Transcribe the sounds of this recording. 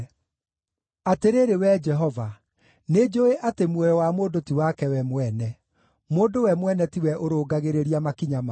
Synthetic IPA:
ateɾeɾewɛd͡ʒɛɦɔva | ned͡ʒoeʔatemwɔjɔwamoːdotiwakɛwɛmwɛnɛ | moːndowɛmwɛnɛtiwɛʔoɾoːɡaɣeɾeɾiamakiɲama

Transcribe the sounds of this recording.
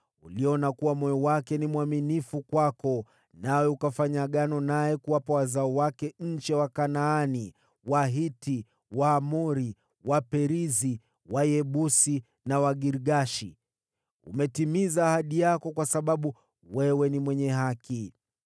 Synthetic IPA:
ṵliɔnakuwamɔjɔwakɛnimwaminifukwakɔ | nawɛukafaɲaɠanɔnajɛkuwapawazaɔwakɛɲ̩t͡ʃɛwakanaːni | waɦiti | waːmɔɾi | wapɛɾizi | wajɛɓusi | nawaɠiɾɠaʃi | ṵmɛtimizaːhaɗijakɔkwasaɓaɓu | wɛwɛnimwɛɲɛɦaki

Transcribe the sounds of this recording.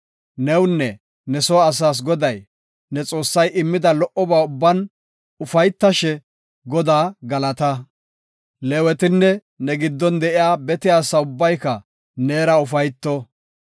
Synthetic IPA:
nɛwnːɛ | nɛsɔɐs̬aːs̬ɡɔd̪ɐj | nɛt͡sʼo̞ːsːɐjʔɪmːɪd̪ɐlɔʔɔbaːʊbːɐn | ʊfɐjt̪ːɐʃɛ | ɡɔd̪aːɡɐlɐt̪ɐ | lɛwɛt̪ɪnːɛ | nɛɡɪd̪ːɔnd̪ɛʔɪjaːbɛt̪ɪjaːsɐʊbːɐjkɐ | neːɾɐʊfɐjt̪ːɔ

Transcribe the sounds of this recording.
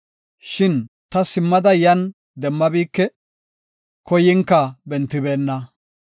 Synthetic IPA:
ʃɪn | t̪ɐsɪmːɐd̪ɐjɐn | d̪ɛmːɐbiːkːɛ | kɔjɪŋkːɐbɛnt̪ːɪbe̞ːnːɐ

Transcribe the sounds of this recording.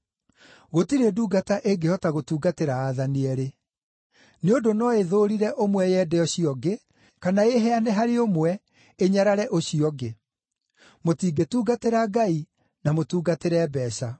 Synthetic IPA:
ɣotiɾeduːɡataʔeɡehɔtaɣotuːɡateɾaːðaniɛɾe | neondonɔeðoːɾiɾɛʔomwɛjɛdɛɔɕiɔɡe | kanaeɦɛanɛɦaɾeomwɛ | eɲaɾaɾɛʔoɕiɔɡe | motiːɡetuːɡateɾaɡai | namotuːɡateɾɛbɛːɕa

